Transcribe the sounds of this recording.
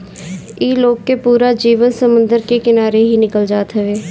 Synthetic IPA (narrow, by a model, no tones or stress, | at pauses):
iːloːɡ̚kepuːɾad͡ʒiːʋənsəmə̃nd̪əɾkekɪnaːɾeɦinɪkəld͡ʒaːt̪ɦɛʋeː